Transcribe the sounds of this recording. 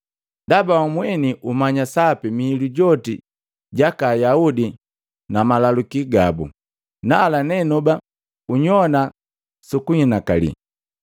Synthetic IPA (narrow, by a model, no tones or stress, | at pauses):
ndabawamwɛniʔumaɲasapimihiluɟɔti | ɟakaːjaudi | namalalukiɡabṵ | nalanɛnuba | uɲɔna | sukuɲinakalḭ